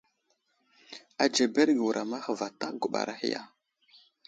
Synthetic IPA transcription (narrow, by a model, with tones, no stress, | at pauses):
a˨d͡ʒe˨be˦ɾɡə˨wu˨ɾʔa˨ma˦xə˨va˨ta˦ɡu˨ɓa̰˨ɾa˦hḭ˦ja̰˦